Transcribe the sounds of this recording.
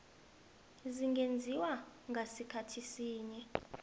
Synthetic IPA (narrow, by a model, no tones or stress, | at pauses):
ziŋɡʱend͡zʱiwaŋɡʱasikʰatʰisiːɲɛ